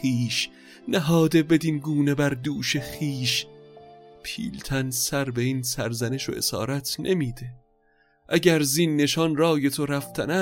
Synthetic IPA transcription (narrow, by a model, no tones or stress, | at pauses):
iːʃ | næɦɒːd̪e̞be̞d̪inɡuːne̞bæɾd̪uːʃe̞xiːʃ | pʰḭːlt̪ʰænsæɾbe̞iːnsæɾzæne̞ʃo̰ʔe̞̰sɒ̰ːɾæt̪ʰnʔe̞miːd̪e̞ | ʔæɟæɾzinːe̞ʃɒnrɒːje̞t̪ʰoɾæft̪ʰænæ